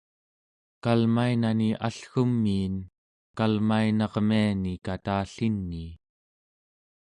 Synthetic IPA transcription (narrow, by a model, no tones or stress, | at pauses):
kalmainaniʔaɬxumːiːn | kkalmainɑʁmianikat̪aːɬinːiː